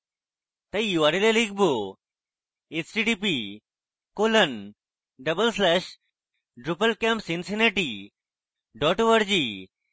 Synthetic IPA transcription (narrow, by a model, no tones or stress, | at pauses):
t̪ɐjuʋaɾileliɡ̚bo | et͡ɕʈiʈipi | kolən | ɖəbəlslɛɕ | ɖɾupəlkempsinsineʈi | ɖɔʈuʋəɾd͡ʑi